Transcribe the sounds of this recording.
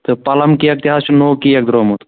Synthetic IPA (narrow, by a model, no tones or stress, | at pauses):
t̪ɨpɐlɐmkiɐk̚t̪iɦaːst͡ʃʰunoːkijɐk̚d̪ɾoːmot̪